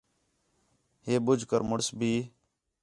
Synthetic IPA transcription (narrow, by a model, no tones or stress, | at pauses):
ɦeːbʊd͡ʒʱkəɾmʊɽsbʱiː